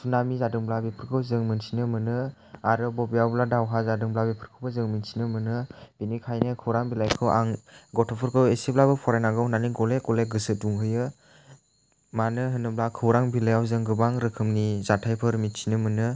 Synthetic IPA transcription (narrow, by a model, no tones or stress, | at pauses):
sʰunamizadɯŋblabepʰɯɾkʰɯwzɯŋmɯnsʰinɯmɯnɯ | aɾɯbɔbijawbladawɦazadɯŋblabepʰɯɾkʰɯwbazɯŋminsʰinɯmɯnɯb̥inikʰajnɯkʰɯwɾaŋbilajkʰɯwa̰ŋɡɔtʰɔpʰɯɾkʰɯwesiblabɯpʰɔɾajnaɡɯhunaniɡɔlekɔleɡɯsɯt̚duŋɦɯjɯ | manɯɦɯnɯblakʰɯwɾaŋbilajawzɯŋɡɯbaŋɾɯkʰɯmnizatʰajpʰɯɾminsʰinɯmɯnɯ